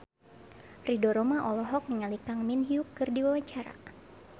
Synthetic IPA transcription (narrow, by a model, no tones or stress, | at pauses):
ridɔɾɔmaʔɔlɔɦɔk̚məŋalikaŋminɦiukːɨrdiwawat͡ʃaɾa̰